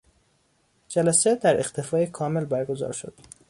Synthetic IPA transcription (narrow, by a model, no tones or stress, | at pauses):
d͡ʒælæsed̪æɾeqt̪ʰe̞fɒːjekʰɒːme̞lbæɾɡo̞zɒ̰ːɾʃo̰d̪̥